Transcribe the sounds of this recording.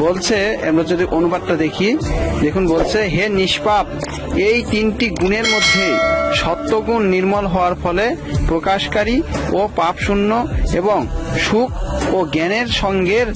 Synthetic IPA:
bolt͡ɕʰeɛ̰mɾad͡ʑod̪iʔonubad̪̚ʈad̪ekʰid̪ekʰunbolt͡ɕʰeɦeniʃpab̚ | ejt̪inʈiɡuneɾmod̪ʱːeʃɔt̪ːoɡunːiɾmolɦɔoaɾfɔlepɾokaʃkaɾiopapʃunːoeboŋʃuk̚ʰoɡɛneɾʃɔŋɡeɾ

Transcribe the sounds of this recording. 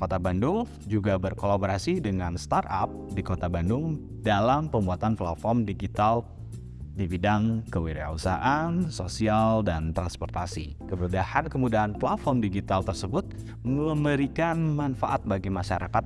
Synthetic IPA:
kot̪abandʊl | d͡ʒuɡabərkolaboɾasidəŋanst̪arap̚dikot̪abandʊŋ | dalampəmbuat̪anplat̪̚fɔrmdiɡit̪al | dibidaŋkəwiɾia̰usa̰ʔansosialdant̪ɾanspɔrt̪asḭ | kəbədahankəmudaɦanflat̪̚fɔrmdiɡit̪alt̪ərsəbʊt̪̚ | məməɾikanmanfaʔat̪̚baɡimaʃaɾʔakat̪̚

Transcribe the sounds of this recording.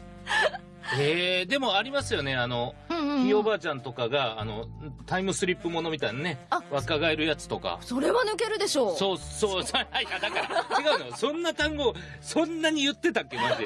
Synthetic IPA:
heːd̪e̞mo̞aɾʲimasɨjo̞ne̞anõ̞io̞baːt͡ɕãnt̪o̞kaɡaːno̞̰t̪aimɯ̟sɨɾʲipːɯ̟mo̞no̞mʲit̪ainane̞βakaɡaeɾɯ̟jat͡sɨ̥t̪o̞ka̰soɾe̞βanɯ̟ke̞ɾɯ̟d̪e̞ɕoːsoːsoːshaihad̪akaɾat͡ɕiɡaɯnosõ̞nːat̪ãŋɡo̞ː | sõ̞nːaɲ̟ijɯ̟t̪ːe̞t̪akːe̞naʑ

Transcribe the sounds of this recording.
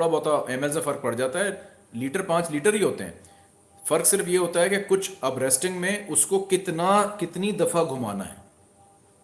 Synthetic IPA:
oɽabɔːt̪aʔɛːmɛːsafɐɾk̚pɐɽd͡ʒaːt̪aɦɛ | liːʈəɾpãːt͡ʃliːʈəɾɦiɦoːt̪eɦɛ̰̃ː | fɐɾksɪɾfjeɦoːt̪aɦɛkekʊt͡ʃʰɐbɾeːsʈɪ̃ŋɡmẽʊskokɪt̪nakɪt̪nid̪ɐfaɡʱʊma̰ːna̰ɦɛ̰ː

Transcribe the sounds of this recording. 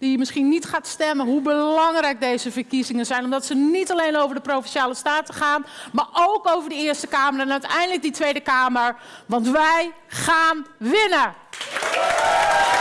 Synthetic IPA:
d̥ijəmɪsχinitχaːtstɛmənɦubəlɑŋrɛjk̚dejzəvəɹkizɪŋənzɛjnɔmdɔtsənitalejnowvəɹdəprowfɪnʃjaːləstaːtəχaːnmaːɹʔowkowvəɹdəɪːɹstəkaːməɾaɛnœɥtɛ̰jndələk̚ditʋejdəkaːməɹ | ʋɑntʋɛj | χaːnʋɪnə

